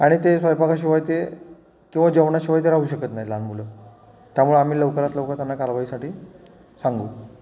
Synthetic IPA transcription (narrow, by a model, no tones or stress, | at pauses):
aɽ̃it̪esʋajpakaɕiʋajt̪e | kĩw̃ʋad͡ʑəʋɳaɕiʋajt̪̬eɾauɕəkət̪naɦjlanm̤ulə | t̪jamuɭeam̤iːləʋkəɾat̪ləʋkəɾt̪anːakalʋaisaʈiː | saŋɡuː